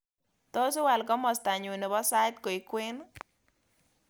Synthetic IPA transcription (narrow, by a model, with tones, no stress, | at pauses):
t̪ɔ˦sʊ˦wa˨lkɔ˦mɔ˨st̪a˨ɲo˨ne˨bɔ˦sa˦jt̪ko˨i˨kwe˦n